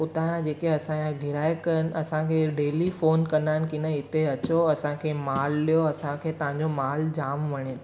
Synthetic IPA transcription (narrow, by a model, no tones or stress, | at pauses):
ʊt̪ãjãd͡ʑeːkeɐsãjãɡʱɪɾaːekɐɾənɪ̆ɐsãkʰeːɖeːlifoːnkɐnaːɦɪnɪkɪnəɪt̪eɐt͡ɕoɐsãkʰemaːllijoɐsãkʰeːt̪ɐʋ̤ãɲd͡ʑomaːld͡ʑaːmʋɐɽ̃et̪ː